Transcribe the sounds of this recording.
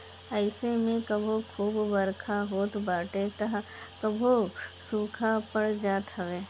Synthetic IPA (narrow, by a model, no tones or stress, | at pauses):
əɪsemẽkɐbʱokʰuːbbɐɾkʰaɦoːt̪baːʈet̪aɦ | kɐbʱosuːkʰapəɽd͡ʒaːt̪ɦəʋeː